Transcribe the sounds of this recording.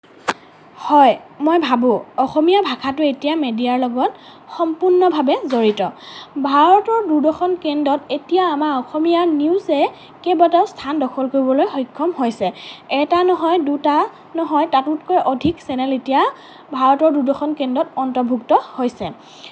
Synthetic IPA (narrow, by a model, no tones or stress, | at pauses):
hɔjmojbʱabʊ̃ɔxɔmijabʱakʰatʊetijamedijaɹlɔɡɔt | xɔmpuɹnɔbʱabɛzoɹitɔbʱaɹɔtɔɹduɹdɔxɔnkendɔtetijaːmaɹɔxɔmijaniʊzɛ | kebɔtaʊstʰandɔxʰɔlkoɹibɔlojxɔjkʰːɔmhojsɛɛtanɔɦɔjduta | nɔɦɔjtatutkɔjʔɔdʱiksɛnɛletija | bʱaɹɔtɔɹduɹdɔxɔnkendɔtɔntɔɹbʱuktɔhojsɛ